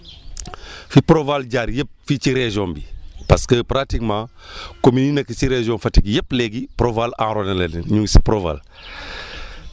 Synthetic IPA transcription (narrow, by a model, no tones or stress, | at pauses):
fipɾovalɟaːɾjep̚fit͡ʃiɾeʒombipaskəpɾatikmãː | komininɐkəsiɾeʒonfɐtikjepleɡipɾovalã̰ɾonelenenɲuŋsi̥pɾova̰l